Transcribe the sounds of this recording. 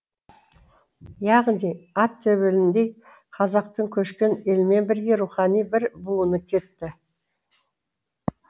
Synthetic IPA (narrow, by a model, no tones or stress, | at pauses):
jɑʁnijɑt̪ʰːɵβelɪnd̪e̞j | qʰɑzɑq̚t̪əɴkʲʰɵʃkʲene̞lme̞nbɪɾɡʲe̞ɾuχɑnijbɪɾbuənəkʲʰe̞t̪ːɪ